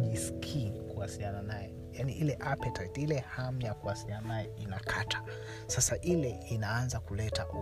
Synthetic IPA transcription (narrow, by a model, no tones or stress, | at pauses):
iskʰikuasiliananajɛ | janiʔilɛʔapɛtaitilɛhamjakuhasiliananajɛinakʰatʰḁ | sasaʔilɛinaanzakulɛtaʔ